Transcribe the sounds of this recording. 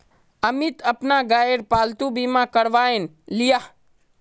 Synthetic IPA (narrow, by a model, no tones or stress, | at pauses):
əmɪt̪əpnaɡaːeɾpaːlt̪ubiːmãkəɽʋaːen | lija